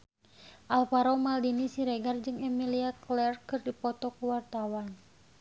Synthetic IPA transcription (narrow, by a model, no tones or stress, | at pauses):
ʔalpaɾɔmaldinisiɾeɡard͡ʒɨŋɛmiliaklɛrkɨrdipɔt̪ɔkuwart̪awan